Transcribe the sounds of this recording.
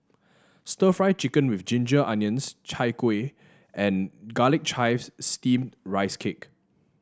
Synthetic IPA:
stəfɹaɪt͡ʃikə̃nwifd͡ʒĩnd͡ʒəʔãnjə̃nst͡ʃʰaɪkwe | ʔɛ̃nɡalɪk̚t͡ʃʰaɪfsːtĩmdɹaɪskʰek

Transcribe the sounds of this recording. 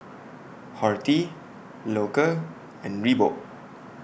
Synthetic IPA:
hɔɹti | lokə | ɛ̃nɹibo̰ʔ̚

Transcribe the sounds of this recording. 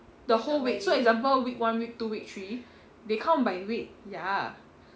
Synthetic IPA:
dəholwik̚soɛk̚zãmp̬əlwik̚wãnwik̚tuwik̚tʰɹi | dekʰãmbajwik̚ja

